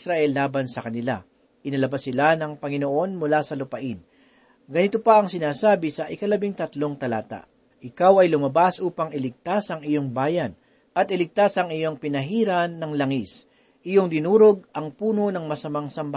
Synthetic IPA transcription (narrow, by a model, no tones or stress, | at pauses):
sɾɐʔɛlːaːbɐnsɐkɐnɪla̰ | ʔɪnɐlɐbasːɪlanɐŋpɐŋɪnoʔo̞nmʊlasɐlʊpɐʔɪn | ɡɐnɪt̪o̞pɐʔɐŋsɪnaːsaːbɪsɐʔɪkɐlɐbiŋt̪ɐt̪lo̞ŋt̪ɐla̰ːt̪a̰ʔ | ʔɪkawɐjlʊmɐbasʔuːpɐŋɪlɪɡ̚t̪asɐŋɪjo̞ŋbaːjɐn | ʔɐt̪ɪlɪɡ̚t̪asɐŋɪjo̞ŋpɪnɐɦiːɾɐnːɐŋlɐŋis | ʔɪjo̞ŋd̪ɪnuːɾo̞ɡ̚ɐŋpuːno̞nɐŋmɐsɐmaŋsɐmbɐ